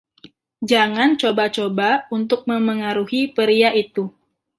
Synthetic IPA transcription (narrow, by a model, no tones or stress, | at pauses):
d͡ʒaŋant͡ʃobat͡ʃobaunt̪ʊk̚məməŋaɾuhipəɾiaʔit̪u